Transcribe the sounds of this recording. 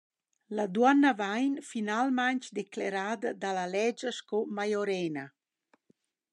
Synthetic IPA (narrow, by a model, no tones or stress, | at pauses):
lad̪wanːavajnfinalmaɲt͡ʃd̪ekleɾaːd̪ad̪alalɛd͡ʒaʃkɔmajoɾɛːna